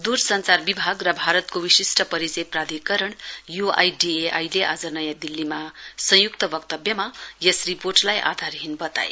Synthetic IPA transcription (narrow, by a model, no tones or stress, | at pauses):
d̪ursʌnt͡sarbibʱaɡrʌbʱaɾʌt̪̚kowisisʈʌpʌɾit͡sʌjprad̪ʱikʌɾʌɳjua̰jɖieʔa̰jleʔad͡zʌnʌjãd̪ilːimasʌ̃jukt̪ʌbʌkt̪ʌbjʌmajesriporʈlajʔa̰d̪ʱarɦinbʌt̪a̰ḛ